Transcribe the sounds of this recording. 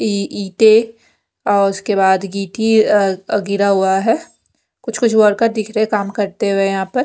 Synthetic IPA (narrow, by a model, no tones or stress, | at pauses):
iʔiːt̪e | ɔːɾʊskebaːd̪ɡiːʈi | ɡɪɾaɦuaɦɛː | kʊt͡ʃʰkʊt͡ʃʰwɔːɾkad̪ɪkʰɾeekaːmkɐɾt̪eɦuejɐɦãːpɐɾ